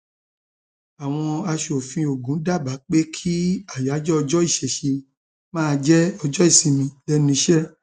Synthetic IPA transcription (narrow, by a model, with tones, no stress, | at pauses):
a˨w̃ɔ̃˧a˧ʃo˨fĩ˧o˨ɡũ˨˦da˦˨ba˨˦k͡pe˦kʰi˦a˦˨ja˨˦d͡ʒɔ˦ɔ˧d͡ʒɔ˦i˦˨ʃɛ˨ʃe˧ | mãː˦˧d͡ʒɛ˦ɔ˧d͡ʒɔ˦i˦˨sĩ˨mĩ˧lɛ˦nĩ˧˦ʃɛ˦